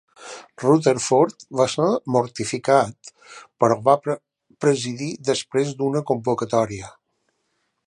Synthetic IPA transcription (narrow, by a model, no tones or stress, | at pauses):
rut̪əɾfoɾt̪basəmuɾt̪ifikat̪ | pəɾɔβa | pɾəziðiðəspɾezd̪unəkumbukət̪ɔɾiə